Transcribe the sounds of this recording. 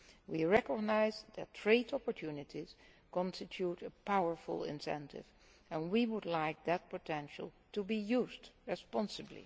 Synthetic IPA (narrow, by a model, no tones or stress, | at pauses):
wiɹɛkəɡ̚naɪzðɨ̰tʰɹeɪtɔpɔɹtʰjunɨtʰiz̥ | kɔ̃nstɪtʰjutəpaʊə˞fʊ̰lˠɪ̰̃nsɛ̰̃ntɪ̰v | ɛ̃nwiwʊdlaɪk̚ðɨt̚pətʰɛ̃nʃə̰l̩ˠtubijuzdɹɨspɑ̃nsɨblḭ